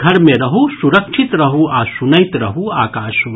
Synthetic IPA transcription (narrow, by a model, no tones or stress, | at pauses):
ɡʱɐɾmẽɾɐɦusuɾɐkʃʰit̪ɾɐɦuasunɐjt̪ɾɐɦuaːkaːʃu